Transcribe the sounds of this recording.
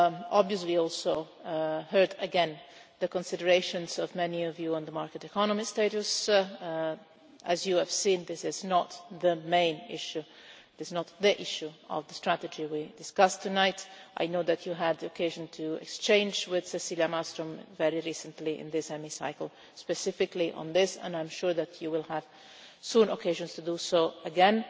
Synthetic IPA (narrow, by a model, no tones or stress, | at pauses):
ɔbviəsliɔlˠsoʊ | ɦɜ˞dəɡɛ̃nðəkɔ̃nsɪdəɹeɪʃə̃nzɔvmɛniɔvjuɔ̃nðəmaɹkətɛkʰɔnəmisteɪɾus | æzjuəv̥sĩnðɪsɪznət̪ðəmẽɪ̃nɪ̰ʃu | ðɪznət̪ðiʔɪʃuɔ̰vðəstɹæt̪əd͡ʒiwidɪskʌst̪ʰːunaɪtʔa̰jnoʊðætʰjuɦəd̪ðiokʰeɪʒə̃ntʰuɛ̰kst͡ʃẽɪ̃nd͡ʒwɪð̥sɛsiljamastɾɔ̃mvɛɹiɹisə̃ntliʔɪ̰̃nd̪ɪsɛmisa̰ɪkəl̩ˠ | spɛsɪfɪkliʔə̰̃nðɪsə̰̃nãɪ̃mʃuɹðætʰjuwɪlˠhəv̥ | sũnɔkʰeɪʒə̃nstud̪usoʊəɡɛ̃n